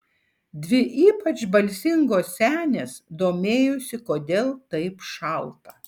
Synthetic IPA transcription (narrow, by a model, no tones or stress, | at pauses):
d̪ʲʋʲɪʔiːpɐt͡ʃbɐlʲsʲɪŋɡoːsʲsʲæːnʲeːsd̪oːmʲeːjʊsʲɪkoːd̪ʲeːlˠt̪ɐɪpʃɐlˠt̪ɐ